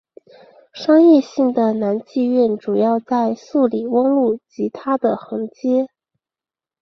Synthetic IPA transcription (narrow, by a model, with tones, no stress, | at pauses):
ʂɑ˥ŋjɛ˥˧ɕi˥˩ŋd̪ə˩na˧˥nt͡ɕi˥˧ɥɛ˥˩nʈ͡ʂu˨˩jɑ˥˧ʊt͡sa˥˧ɪsu˥˩li˨˩wɤ˥ŋlu˥˩t͡ɕi˧˥t̪ʰa˥d̪ə˨xɤ˧˥ŋt͡ɕjɛ˥